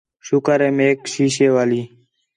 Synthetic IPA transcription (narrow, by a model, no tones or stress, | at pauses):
ʃʊkəɾeːmeːkʃiːʃeːʋaːliː